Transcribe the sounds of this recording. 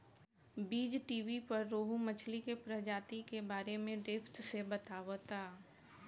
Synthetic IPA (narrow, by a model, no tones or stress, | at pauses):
biːd͡ʒʈiːʋipɐɾːoːɦumət͡ʃʰlikepɾəd͡ʒaːt̪ikebaːɾemẽɖɪpʰt̪sebɐt̪aːʋot̪ʰaː